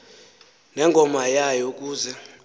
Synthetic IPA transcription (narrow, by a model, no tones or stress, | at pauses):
nɛŋɡʱɔmajajok̬ʼuːzɛ